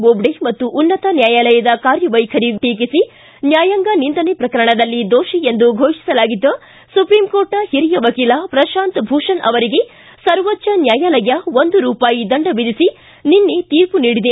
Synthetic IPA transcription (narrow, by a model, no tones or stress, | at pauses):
bobɖemɐt̪ːuʔːnːɐt̪ɐnjaːjaːlɐjɐd̪ɐkaːɾjɐʋɐjkʰɐɾiʈiːk̬isi | njaːjɐŋɡɐnint̪ɐnepɾɐkɐɾɐɳɐd̪ɐlːid̪oːʃiend̪uɡʱoːʃi̥sɐlaːɡid̪ːɐ | supɾiːmkoːɾʈnɐhiɾijɐʋɐkiːlɐpɾɐʃaːnt̪bʱuːʂɐnɐʋɐɾiɡe̞ | sɐɾʋɐtːt͡ʃːɐnjaːjaːlɐjɐʋond̪uɾuːpaːjid̪ɐɳɖɐbid̪isi | ninːet̪iːɾpuniːɽid̪e